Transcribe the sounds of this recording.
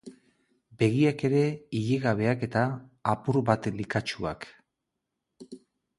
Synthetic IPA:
be̞ɣiake̞ɾe̞iʎeɣaβ̞e̞ake̞t̪aːpuɾβat̪likat͡ʃua̰k

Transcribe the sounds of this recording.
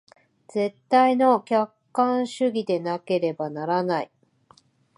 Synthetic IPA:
z̥e̞t̪ːaino̞kʲakːãɰ̃ɕɨɡʲid̪e̞nake̞ɾe̞banaɾanai

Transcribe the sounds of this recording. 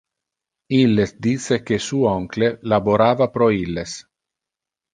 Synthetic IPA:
ilːesd̪iːt̪sekesuːɔŋklelaboɾaːvapɾɔilːes

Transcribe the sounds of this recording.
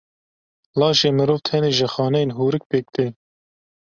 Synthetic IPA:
lɑːʃeːmɨɾoːvt̪ʰɛneːʒəxɑːnɛjenɦuːɾɨk̚peːk̚t̪eː

